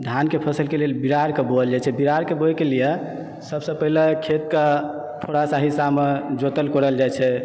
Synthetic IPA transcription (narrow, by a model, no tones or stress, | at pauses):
d̪ʱankepʰəsəlkelelbiɾaɾkeboəld͡ʒajt͡ʃʰɛbiɾaɾkeboɛkelije | səbsəpəɦilekʰet̪kə | t̪ʰoɽasaɦisamed͡ʒot̪əlkɔɾəld͡ʒajt͡ʃʰɛ